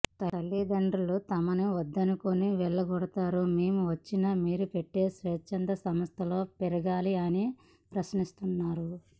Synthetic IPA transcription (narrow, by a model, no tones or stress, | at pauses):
t̪ɐɾɐlːid̪ɐɳɖɾulut̪ɐmɐnuʋɐd̪ːɐnukoniʋɛɭːɐɡɔɽɐt̪aːɾumeːmuʋɐt͡ʃːinɐmiːɾupeʈːe̞ːsʋɐt͡ʃːɐnd̪ɐsɐmɐst̪ʰɐlo̞ːpɛɾɐɡaːliɐni | pɾɐsnist̪unːaːɾu